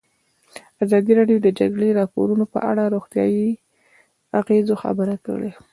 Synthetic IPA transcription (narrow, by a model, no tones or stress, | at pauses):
azɑd̪iɾɑɖijod̪əd͡ʒaɡɽeɾɑpo̰ɾunopə̰ʔa̰ɽaɾoɣt̪jɑ̰ji | aɣezoxa̰bəɾakə̰ɽe